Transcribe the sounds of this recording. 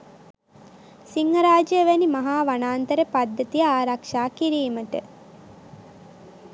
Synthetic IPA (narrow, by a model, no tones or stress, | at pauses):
siŋɡɐɾaːd͡ʒijəʋænimɐɦaːʋanaːnt̪əɾepad̪ːət̪ijəaːɾakʂaːkiɾiːməʈə̰